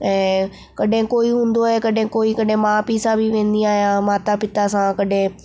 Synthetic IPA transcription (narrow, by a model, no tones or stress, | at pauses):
ɛ̃ː | kɐɗɦɪ̃koːiɦũːnd̪oekɐɗɦɪ̃koːikɐɖɦɪ̃maːpiːsãbʱiʋẽːnd̪iaːɦijãmaːt̪apɪt̪asãkɐɗɦɪ̃